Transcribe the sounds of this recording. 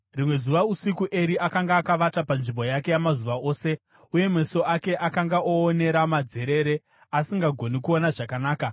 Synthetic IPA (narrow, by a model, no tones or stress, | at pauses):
rimwe̞zuʋausikuʔe̞ɾiʔakaŋɡaːkaʋatapanʐimbo̞jake̞jamazuʋaʔo̞ːse̞ | uje̞mwe̞so̞ake̞ʔakaŋɡaʔoːne̞ɾamad͡ze̞ɾe̞ɾe̞ | asiŋɡaɡʱo̞nikuo̞naʐakanaːka